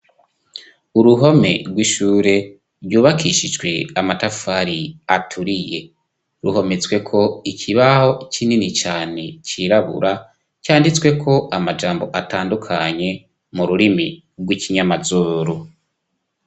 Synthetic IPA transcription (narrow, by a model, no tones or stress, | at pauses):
uɾuɦo̞me̞̰ɾɡwiʃuːɾe̞ | ɾjuːβakʰiʃid͡ʒɡwe̞amatafaɾiatʰuɾije̞ | ɾuho̞met͡swe̞kʰo̞icʰiβaho̞cininit͡ʃaːne̞ciɾaβṵɾa | caːndit͡swe̞kʰo̞ʔamad͡ʒaːmbo̞ʔataːndukʰaɲe̞ | muɾuɾimi | ɡwiciɲamazuːɾo